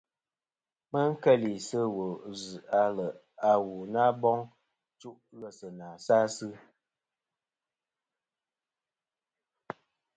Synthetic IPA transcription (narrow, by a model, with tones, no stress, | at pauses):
mə˦ŋ̩˦kɛ˦˨li˨sə˦wo˨zɨ˨a˦lə˨ | a˨wu˨na˦bɔ˦ŋ | t͡ʃu˦ʔɣə˦˨sə˨na˨sa˦sɨ˦